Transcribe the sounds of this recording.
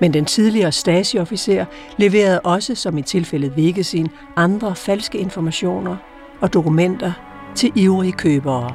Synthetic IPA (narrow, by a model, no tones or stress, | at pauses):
mend̥ent͡sʰið̞ˠliɐːsd̥ɛːsiɒ̽fise̝̰ɐ̰ | le̝ʋe̝̰ːɐð̞ˠʔɒ̽səsɒ̽mit͡sʰe̝lfel̰ð̩ˠʋe̝ɡ̥əðˠsin | ɑ̈nd̥ʁɐfælsɡ̥əe̝nfɒmæɕo̝̰ːnɐ | ɒ̽d̥o̝kumen̰d̥ɐ | t͡sʰe̝ʔiʊʁikʰøːb̥ɐː